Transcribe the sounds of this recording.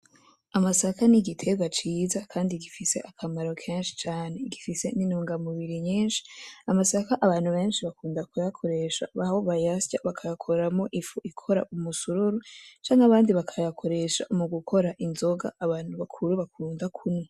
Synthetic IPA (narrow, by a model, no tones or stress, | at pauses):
amasakaniɡitʰe̞ɡwat͡ʃiːzakʰaːndiɡifise̞ʔakʰamaɾo̞kʰeːnʃi̥t͡ʃaːne̞ɡifise̞ninuːŋɡamuβiɾiɲiːnʃi̥amasakaʔaβaːnhuβe̞ːnʃiβakuːndakujakʰo̞ɾe̞ʃa̰βahoβajascaβakʰajakʰo̞ɾamo̞ʔifuʔikʰo̞ɾa̰ʔumusuɾuɾut͡ʃaːŋaβaːndiβakʰajakʰo̞ɾe̞ʃa̰muɡukʰo̞ɾaʔinzo̞ɡa̰ːβaːn̥huβakʰuɾuβakʰuːndakʰunwe